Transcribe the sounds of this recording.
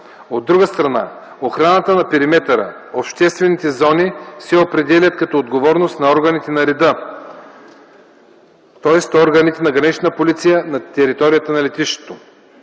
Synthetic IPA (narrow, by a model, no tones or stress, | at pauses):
od̪ːɾuɡəst̪ɾɐna̰ | oxɾanət̪ənɐpɛɾimɛt̪ɐɾə̰ | opʃt̪ɛst̪vɛnit̪ɛzɔnisɛopɾɛd̪ɛlʲɐt̪kɐt̪ɔod̪ɡovɔɾnost̪nɐɔɾɡɐnit̪ɛnɐɾɛd̪ə | t̪ɔɛst̪ɔɾɡɐnit̪ɛnɐɡɾɐnit͡ʃnəpolit̪sijənɐt̪ɛɾit̪ɔɾijət̪ənɐlɛt̪iʃt̪o̥t̪o